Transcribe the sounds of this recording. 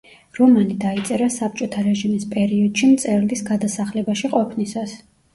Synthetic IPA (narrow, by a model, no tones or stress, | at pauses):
ɾɔmanid̪ait̪sʼɛɾasap̚t͡ʃʼɔt̪ʰaɾɛʒimispʼɛɾiɔd̪ʃimt̪sʼɛɾlisɡad̪asaχlɛbaʃiqʼɔpʰnisas